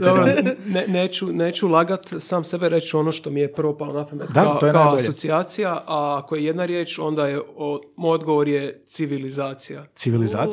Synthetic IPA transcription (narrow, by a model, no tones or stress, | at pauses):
d̪obɾoneneːt͡ɕune̞ːt͡ɕulˠaɡat̪saːmse̞beɾe̞t͡ɕo̞no̞ʃt̪o̞mijepr̩opalˠonapomet̪aaoojkaaoboasʎot̪siaːt̪sijaʔaako̞jeje̞d̪naɾjeːt͡ʃo̞nd̪ajeomojod̪ɡo̞ʋoɾjet̪siʋilizaːt̪sijasiʋilizaː